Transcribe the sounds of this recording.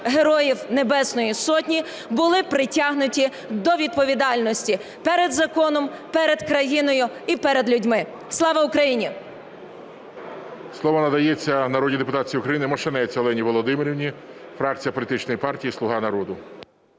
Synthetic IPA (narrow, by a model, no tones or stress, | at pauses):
ɦe̞ɾɔjiwne̞bɛsnɔjisɔtʲnʲi | bʊlˠɪpɾɪtʲɑɦnʊtʲi | d̪ɔʋʲid̪̚pɔʋʲid̪ɑlʲnɔsʲtʲi | pɛɾed̪zɐkɔnɔmpɛɾed̪kɾɐjinɔjʊipɛɾed̪lʲʊdʲmɪ | slˠɑʋɐʊkɾɐjinʲi | slˠɔʋɐnɐd̪ɐjet͡sʲːɐnɐɾɔdʲid̪epʊt̪ɑt͡sʲijiukɾɐjinɪmɔʃt͡ʃenɛt͡sʲɔlˠɛnʲiʋɔlˠɔd̪ɪmɪɾʲiʋnʲi | fɾɑkt͡sʲijɐpɔlʲit̪ɪt͡ʃnɔjipɑrtʲijislˠʊɦɑnɐɾɔd̪ʊ